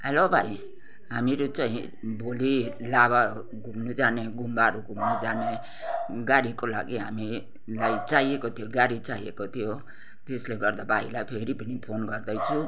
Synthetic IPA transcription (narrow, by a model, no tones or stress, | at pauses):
ɦɛlobʱai | ɦamiɾot͡ʃʌɦĩ | boli | laβa | ɡumnud͡ʒaneɡumbaɾuɡʱumnud͡ʒane | ɡaɾikola̰ɡiɦa̰mi | lajt͡ʃaɦiekot̪ʰijoɡaɾit͡ʃaɦiḛkot̪ʰijo | t̪esleɡʌɾd̪abʱailajpʰeɾipənipʰonɡʌɾd̪ʌjt͡ʃʰu